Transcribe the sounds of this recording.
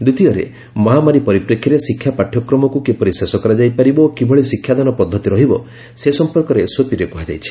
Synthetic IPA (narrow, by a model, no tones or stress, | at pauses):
d̪ut̪ijɔɾḛ | mɔɦamaɾipɔɾipɾekʰːiɾesikʰːjapaʈʰːjɔkɾɔmɔkukepɔɾisesɔkɔɾad͡ʒajpaɾibɔokibʱɔɭisikʰːjad̪anɔpɔd̪ʱːɔt̪iɾɔɦibɔ | sesɔmpɔɾkɔɾesopiɾekuɦad͡ʒa̰jt͡ʃʰi̥